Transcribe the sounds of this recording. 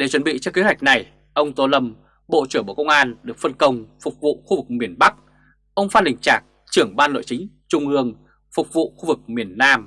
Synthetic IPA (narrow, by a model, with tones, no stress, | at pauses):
ɗe˨˧˩t͡ɕwə˨˦nɓḭ˧˨t͡ɕɔ˧ke˨˦ɦwjk̟̚na˨˩j | ʔə˧wŋ͡mt̪o˧lə˧m | ɓo̰˧˨t͡ɕɨ˧˩ə˩ɓo̰˧˩kə˧wŋ͡mʔaː˧nɗɨ˨˩ək̚fə˧nkə˧wŋ͡mfʊ˨˩k͡p̚vṵ˧˨xu˧vɨ˨˩k̚mi˨˩ənɓa˦˥k̚ | ʔə˧wŋ͡mfaː˧nlï˨˩ŋ̟t͡ɕaː˨˩k̚ | t͡ɕɨ˧˩əŋɓaː˧nlo̰˧˨jt͡ɕï˨˦ŋ̟t͡ɕʊ˧ŋ͡mʔɨ˧əŋ | fʊ˨˩k͡p̚vṵ˧˨xu˧vɨ˨˩k̚mi˨˩ənːaː˧m